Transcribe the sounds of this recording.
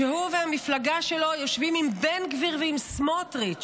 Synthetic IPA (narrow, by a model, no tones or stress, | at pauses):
ehuvehamiflaɡaʃe̞lo̞jo̞ʃvimimbenɡviʁveimsmotʁi